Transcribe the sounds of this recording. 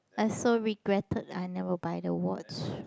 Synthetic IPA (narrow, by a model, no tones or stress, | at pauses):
asoɹiɡɹɛtʰəda̰ɪnɛvəbaɪdəwɔt͡ʃ